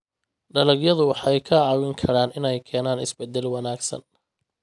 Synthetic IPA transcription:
ɖɐlɐɡjɐðʊwɑħɑɛjkʰɐʕɑwɪŋkʰɐɾaːnɪnɛjkʰɛːnaːnɪsbɛd̪ːɛlwɑnaːɡsɐ̰n

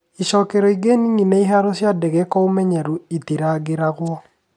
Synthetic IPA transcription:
iʃɔkɛɾɔiɡenininɛiɦaɾɔsjadɛɣɛkɔomɛɲɛɾuitiɾaɡeɾaɣwɔ

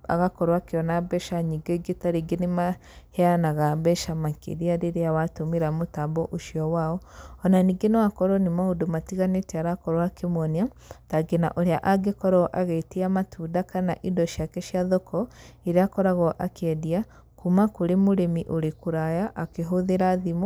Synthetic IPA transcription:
a̰ɣakɔɾwakeɔnabɛʃaɲiɡeɡetaɾeɡenema | hɛanaɣabɛʃamakḛɾiaɾeɾeawatomeɾamotabɔʔoʃiɔwaɔɔnaniɡenɛakɔɾɔnemaodomatiɣanetɛaɾakɔɾwakemwɔnia | taɡena̰ʔoɾeaʔaɡekɔɾɔʔaɣeteamatʰudakana̰ʔidɔʃjakɛʃjaðɔkɔeɾeakɔɾaɣɔʔakʰɛdia | kumakoɾemoɾemiʔoɾekuɾajaʔakeɦoðeɾaðimɔ

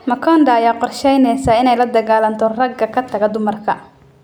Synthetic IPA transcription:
mɐkʰɔnd̪ɐːjaːqɔrʃɛjnɛjsaːɪnɛjlɐd̪ɐɣaːlɐnt̪ʰɔrɐɡːɐkʰɐt̪ʰɐɣɛd̪ʊmɐrkʰɐ

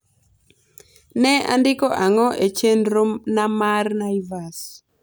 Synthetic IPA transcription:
nɛa̰ndɪkɔʔaŋɔʔet͡ʃenɾonamarnaivas

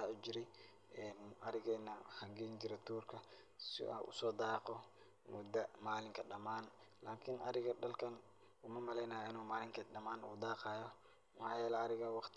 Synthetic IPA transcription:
aʊd͡ʒɪɾɛj | ɛːnʔɐɾɪɣɛːnːɐhɐŋɡɛːnd͡ʒɪɾɛt̪ʰuːrkʰɐ | sɪ̰ɐ̰ʔʊ̰sɔːd̪aːqɔ | mʊd̪ɐmaːlɪŋkʰɐɗɐmaːnlaːkʰɪnɐɾɪɣɐɗɐlkʰɐn | kʊmɐmɐlɛjnɐːjɐʔɪnuːmaːlɪŋkʰɐɗɐmaːnṵːd̪aːqɑːjɔ | mħɑːjɛːlɛɐɾɪɣɐwɑqt̪ʰ

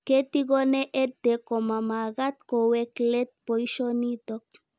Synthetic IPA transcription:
ket̪iɡoneʔed̪ekomamaɣat̪koweklet̪̚pojʃonit̪ɔk̚

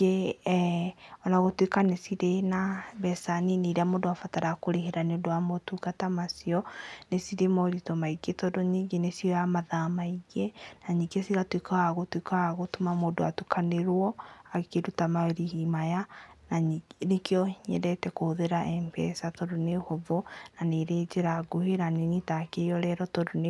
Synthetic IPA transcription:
e | ɔnaɣotwekanesiɾenabɛsaniniɾeamoːdoafataɾakoɾeɦeɾaneodoamɔtuɡatamasiɔnesiɾemɔɾitomaiɡetɔdoɲiːɡenesiɔjamaðamaiɡenaɲiɡesiɣatwikaaɣotwikaːɣotomamoːdoatukʰaneɾwɔakeɾutamaeɾihimajananekjɔɲɛ̰ɾɛtɛkoðeɾaʔɛmpɛ̰satoɾonehovonaneɾeːd͡ʒeɾaɡoheɾanenitakejɔɾɛɾɔtodone

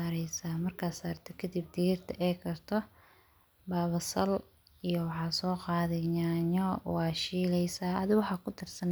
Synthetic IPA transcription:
aːɾɛjsaːmɐrkʰaːsaːrt̪ʰɐkʰɐd̪ib̚d̪iːɪrt̪ʰɐʔɛːkʰɐrt̪ʰɔ | baːβɐsɐl | ijɔwɑħɑːsɔːqɑːðɛɲaːɲɔwɑːʃiːlɛjsaːɐðɪwɑħɑːkʰʊt̪ʰɪrsɐn

